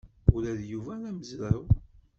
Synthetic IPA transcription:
ulæðjuvænæməzləw

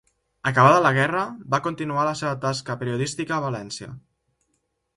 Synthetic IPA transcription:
əkəβ̞aðələɣ̞ɛrəbakunt̪inualəseβət̪askəpeɾiuðist̪ikəːβəlɛnsiə̰

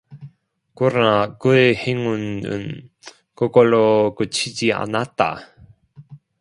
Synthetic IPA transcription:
kuɾnakɯeheŋunɯ̰n | kokolokɯt͡ɕʰid͡ʑia̰nat͈ːa̰

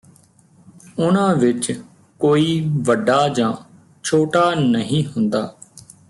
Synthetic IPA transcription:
ʊnãːʋɪt͡ʃ | koːiːʋəɖaːd͡ʒãː | t͡ʃʰoːʈaːnəɦĩːɦʊnd̪aː

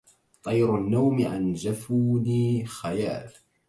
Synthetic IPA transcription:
t̪ˤɑjɾʊnːawmɪʔa̰nd͡ʒafuːniːxajaːl

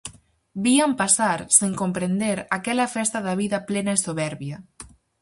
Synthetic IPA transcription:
biampasaɾseŋkompɾend̪eɾakɛlɐfɛst̪aðaβ̞iðɐplenaesoβɛɾβjɐ

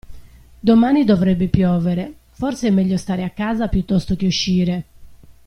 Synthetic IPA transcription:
d̪omaːnid̪ovɾɛbːipjɔːveɾe | fɔrseɛmːɛʎːost̪aːɾeakːaːzapjut̪ːɔst̪ok̟euʃːiːɾe

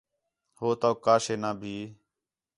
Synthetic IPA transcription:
hoːt̪oːkaːʃeːnãːbʱiː

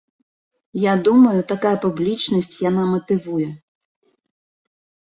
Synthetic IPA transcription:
jad̪umɐjʊt̪akajɐpublʲit͡ʃnɐsʲtʲjanamɐt̪ɪʋujɛ

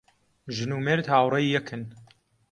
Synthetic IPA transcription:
ʒɨnuːmeɾt̪haːwɾˤɐjːɛkʰɨn

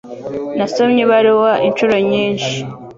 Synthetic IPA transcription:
nasomɲiβaɾiwaʔint͡ʃuɾo̞ɲiːnʃi̥

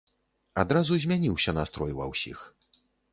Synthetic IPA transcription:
ad̪ɾazuzʲmʲanʲiwsʲɐnast̪ɾɔjvɐ̰wsʲḭx

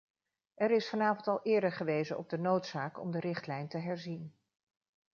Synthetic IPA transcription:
ɛɾɪsfɑnaːvɑntɑlˠʔɪːɹdəχəʋejzənʔɔ̰b̚dənowtsaːkɔ̰mdərɪχtlɛjntəɦɛɹzin

